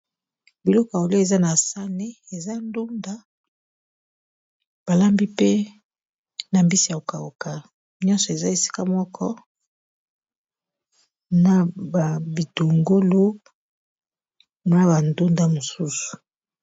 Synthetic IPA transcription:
bi˨lɔ˦kɔ˨a˨o˨lo˦e˨za˦na˨sa˦ne˦e˨za˦ndu˦nda˦ | b̥a˨la˦mbi˦pe˦ | na˨mbi˦si˨a˨o˨ka˨o˨ka˨ | ɲɔ̃˦nsɔ˨e˨za˦e˨si̥˦ka˦mɔ˦kʰɔ˦ | na˨ba˨bi˨to˨ŋɡo˦lo˦ | na˦ba˨ndo˦nda˦mo˨su˦su̥˨

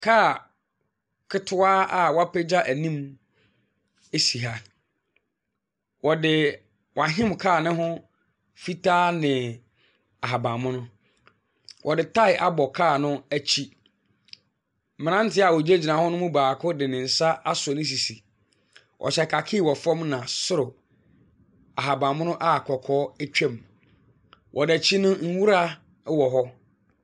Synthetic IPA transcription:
kʰaː˦˨ | kʰɪ˦tʰʊ˦aː˦a˨wa˦pʰɛ˦d͡ʑa˦ʔæ˨nĩ˦m | e˦si˨ɦa˦ | wɔ˨dɪ˨ | wa˨ɦɪ̃˦mkʰaː˦˨nɪ̃˦ɦʊ̃˦ | fi˦tʰaː˦nɪ̃˨ | a˨ɦa˨bã˨mʊ̃˦nʊ̃˦ | wʔɔ˨dɪ˨tʰa˦ɪ˨ʔa˦bɔ˨kʰaː˦˨nʊ̃˦æ˦t͡ɕʰi˦˨ | m̃˨nã˦n˦tɪ˦a˨wɔ˨d͡ʑe˦d͡ʑi˨nã˨hɔ̃˦nʊ̃˦mũ˦baː˨kʰʊ˦dɪ˨nɪ̃˨n̩˨sa˦ʔa˦sʊ˨nɪ̃˦s̬i˨si˨ | wʔɔ̰˨ɕɛ˨kʰa˨kʰɪ˦˨wɔ˨fɔ̃˦mnã˨sʊ˦ɾʊ˨ | a˨ɦa˨bã˨mʊ̃˦nʊ̃˦ʔa˦˨kʰɔ˨kʰɔː˦æ˦t͡ɕᶣɛ̃˦˨m | wʔɔ˨dæ˨t͡ɕʰi˦nʊ̃˦ŋ̩˦wu˦ɾa˦ | wɔ˨ɦɔ˦

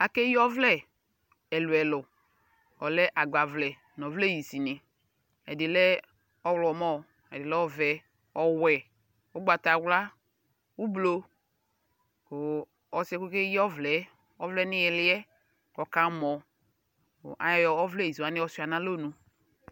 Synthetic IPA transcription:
a˨ke˦jɔ˦vlɛ˦˨ | ɛ˨lʊ˨ɛ˨lʊ˨ | ɔ˨lɛ˦ʔa˨ɡ͡ba˨vlɛ˨ | n˨ɔ˨vlɛ˦˨ji˨si˨nɪ˨ | ɛ̰˨dɪ˨lɛ˦ | ɔ˦wlɔ˨mɔ˦ | ɛ˨dɪ˨lɛ˦ɔ˦vɛ˨ | ɔ˨wɛ˨ | ʊ˦ɡ͡ba˨ta˨wla˦ | u˦blo˦ | ko˨ | ɔ˨sɛ˦ku˦ke˦jɔ˦vlɛ˨˦ | ɔ˦vlɛ˦nɪ˦jɛ˨lɪ˦ɛ˦ | ɔ˨ka˦mɔ˨ | ʔa̰˨jɔ˦jɔ˨ɔ˦vlɛ˦˨i˨si˨a˨˦nɪ˦ɔ˦sʊ˦˨a˨nã˦lo˦˨nũ˨

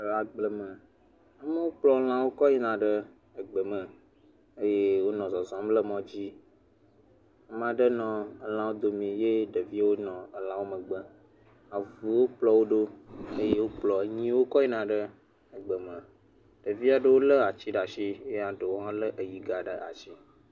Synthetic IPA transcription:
la˨ɡ͡blə˦mə̃˨ | a˦mə˦wo˦k͡plɔ˦o˦l̃ã˦wo˦kɔ˦ɲi˦nã˨ɖə˦ | ə˨ɡ͡bə˨mə̃˨ | ə˦je˦wo˦nɔ̃˨zɔ˨zɔ̃˨˦m˦lə˦mɔ̃˨d͡ʑi˦ | a˦m˦ã˨ɖə˦nɔ̃˨ə˦l̃ã˨wo˦d̪o˨mĩ˨je˦ɖə˨vi˦wo˦nɔ̃˨ə˨lã˦wo˦mə̃˨ɡ͡bə˦ | a˨vu˨wo˦k͡plɔ˦wo˦ɖo˦ə˦je˦wo˦k͡plɔ˨ɲĩ˦wo˦kɔ˦i˦nã˨ɖə˦ | ə˨ɡ͡bə˨mə̃˨ | ɖ̥ə˨vi˦a˨ɖə˦wo˦lə˦a˨t͡ɕi˦ɖa˨ʃi˦je˦a˨ɖə˨wo˦ɦã˦lə˦ʔə˨ji˨ɡa˨ɖə˨a˨t͡ʃi˦

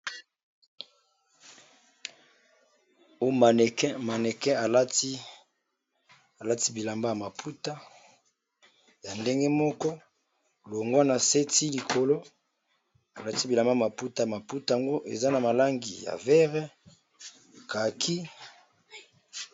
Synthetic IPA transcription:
o˦jma˨nɛ˨kɛ˦ma˨nɛ˨kɛ̃˦a˨la˦ti˦ | a˨la˦ti˦bi˨la˨mba˦ja˨ma˨pʰu˦ta˦ | ja˨nde˦ŋɡe˦mɔ˦kɔ˦˨ | lo˨ŋɡwa˦na˨se˦ti˦li˨kʰo˨lo˦ | a˨la˦ti˦bi˨la˨mba˦˨ma˨pu˦ta˨ma˨pu˦ta˨a˨ŋɡo˦ʔḛ˨za˦na˨ma˨la˦ŋɡi˨ja̰˨vɛ˦ʁɛ˦ | ka˨kʰi˦

